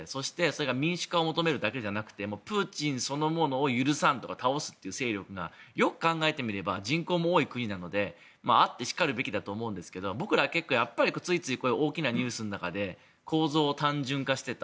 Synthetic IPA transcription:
so̞ɕi̥t̪e̞so̞ɾe̞ɡamʲĩɰ̃ɕɨ̥kao̞mo̞t̪o̞me̞ɾɯ̟d̪ake̞d͡ʑanakɯ̟̥t̪e̞mo̞ːpɯːt͡ɕĩɰ̃so̞no̞mo̞no̞ːjɯ̟ɾɯ̟sãnt̪o̞kat̪ao̞sɨ̥t̪ːeiɯ̟se̞ːɾʲo̞kɯ̟ɡa̰jo̞kɯ̟̥kãŋɡae̞t̪e̞mʲiɾe̞bad͡ʑĩŋko̞ːmo̞ːikɯ̟ɲ̟inano̞d̪e̞ | maat̪ːe̞ɕi̥kaɾɯ̟be̞kʲid̪at̪o̞ːmo̞ɯ̟̃nd̪e̞sɨ̥ke̞d̪o̞bo̞kɯ̟ɾaɡake̞kːo̞ːjapːaɾʲikot͡sɨit͡sɨiko̞ːjɯʔo̞ːkʲinaɲ̟ɨːsɨnonakad̪e̞ | kʰo̞ːzo̞ːt̪ãɲ̟d͡ʑɨ̃ŋkaɕi̥t̪e̞t̪a

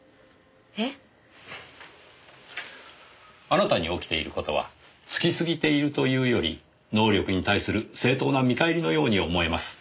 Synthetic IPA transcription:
e | aɾat̪aɲ̟io̞kʲi̥t̪e̞ḭɾɯ̟ko̞t̪o̞β̞a̰ | t͡sɨ̥kʲisɨɡʲit̪e̞iɾɯ̟t̪o̞jɯ̟ːjo̞ɾʲḭ | no̞ːɾʲo̞kɯ̟ɲ̟it̪aisɨɾɯ̟se̞ːt̪o̞ːnamʲikaeɾʲino̞jo̞ːɲ̟io̞mo̞e̞masɨ̥

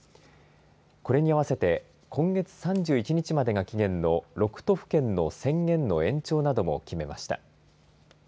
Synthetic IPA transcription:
ko̞ɾe̞ɲ̟iaβ̞ase̞t̪e̞ | kʰõ̞ŋɡe̞t͡sɨ̥sãɲ̟d͡ʑɨːit͡ɕiɲ̟it͡ɕimad̪e̞ɡakʲiɡẽ̞nːo̞ɾo̞kɯ̟̥t̪o̞ɸɯ̟̥kẽ̞nːo̞sẽ̞ŋɡẽ̞nːo̞ẽ̞ɲ̟t͡ɕo̞ːnad̪o̞mo̞̰kʲime̞ma̰ɕi̥t̪a̰

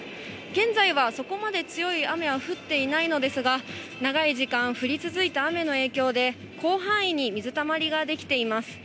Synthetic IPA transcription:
ɡ̥ẽ̞nzaiβaso̞ko̞mad̪e̞t͡sɨjo̞iame̞βaɸɯ̟t̪ːe̞inaino̞d̪e̞sɨɡa | naɡaiʑikãɰ̃ɸɯ̟ɾʲit͡sɨzɨit̪aːme̞no̞e̞ːkʲo̞ːd̪e̞ | kʰo̞ːɦãɰ̃iɲ̟imʲizɨt̪amaɾʲiɡad̪e̞kʲi̥t̪e̞imasɨ̥

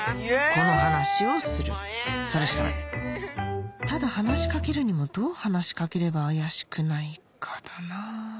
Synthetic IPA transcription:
ko̞no̞hanaɕio̞sɨɾɯ̟̰saɾeɕi̥ka̰na̰ | t̪ad̪ahanaɕi̥kake̞ɾɯ̟ɲ̟imo̞d̪o̞ːhanaɕi̥kake̞ɾe̞baːjaɕi̥kɯ̟naikʰḁd̪̥ana

